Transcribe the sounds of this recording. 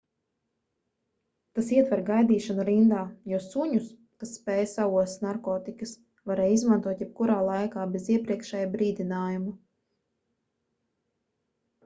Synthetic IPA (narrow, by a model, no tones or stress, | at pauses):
t̪asiɛt̪vɛɾɡajd̪iːʃanuɾind̪aːjɔːsuɲus | k̪asːpɛːjsavuɔsnaɾkɔːt̪ikɐs | vaɾɛːjizmant̪uɔt̪jɛp̚kuɾaːlˠajkaːbeziɛpɾiɛkʃɛjbɾiːd̪inaːjumu